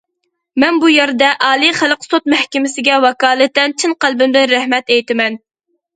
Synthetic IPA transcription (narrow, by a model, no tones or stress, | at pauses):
mɛnbujɛɾd̪ɛʔɑːlˠiχælqsot̪̚mɛhkʲɪmɪsɪɡʲɛwɑkɑːlˠɨt̪ːɛnt͡ʃʰinqælˠbɪmd̪ɪnɾæhmɛt̪ɛjt̪ɪmɛn